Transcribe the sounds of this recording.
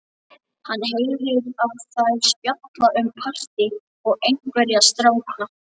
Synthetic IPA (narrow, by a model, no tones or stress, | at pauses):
hanːɦejlɪɾaðθajspjɔt̪laʔʏmpʰar̥t̪ɪ | ɔɣejŋkvɛɾjast̪ɾaːwkna